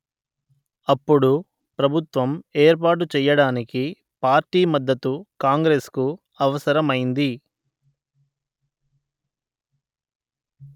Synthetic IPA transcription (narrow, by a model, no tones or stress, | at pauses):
ɐpːuɽu | pɾɐbʱut̪ʋɐme̞ːɾp̬aːʈ̬ut͡ʃɛːjɐɽaːniki | paːɾʈiːmɐd̪ːɐt̪ukaːŋɡɾe̞ːsku | ɐʋɐsɐɾɐmɐjind̪i